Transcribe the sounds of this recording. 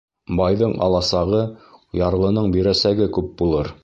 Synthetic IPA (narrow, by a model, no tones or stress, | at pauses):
bɑjðɤɴʔɑ̰lˠɑsɑʁɤjɑɾlˠɤ̆nɤɴbiɾæsæɡɘkʉp̚bulˠɤɾ